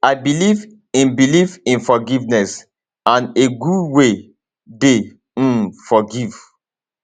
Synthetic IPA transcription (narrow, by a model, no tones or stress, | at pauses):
aɪbiliv | ĩnbilivĩnfɔɡivnɛs | ãneɡudwe | de | fɔɡiv̥